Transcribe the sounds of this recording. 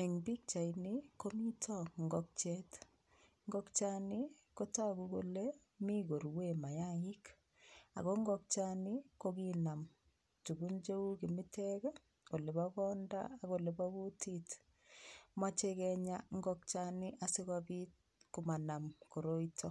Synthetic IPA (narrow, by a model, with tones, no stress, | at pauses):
e˨ŋbi˦k̚t͡ʃa˨iniko˦mi˦tʰɔ˦ŋɡɔk̚t͡ʃɛ˦t | ŋɡɔkt͡ʃa˦nɪ˦ | ko˦ta˦kukole | mi˦ɡo˨ɾwema˨ja˦ɪ˦k | a̰˨ɣo˦ŋɡɔk̚t͡ʃa˦nɪ˦ko˦kina˨m | tu˨ɡu˦nd͡ʒe˦u˦ki˨mɪ˦tʰɛkɛ | ko˨le˨bakɔ˦nda̰˦a˨ɣo˨le˨ba˦bu˦tʰit | mwa˦t͡ʃekɛɲaŋ˦ɡɔk̚t͡ʃa˦nɪ˦ʔa˨si˦kabi˦t̚ | ku˨ma˨na˨mko˨ɾo˦itʰɔ˦